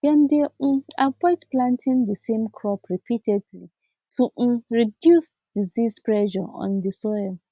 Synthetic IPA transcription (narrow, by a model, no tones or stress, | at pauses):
d̥ɛ̃ndeavɔɪtplãntʰĩndəsẽmkʰɹɔpɹipʰitʰɛdli | tʰuɹidjus | d̥izispɹɛʃɔɔ̰̃ndisɔjl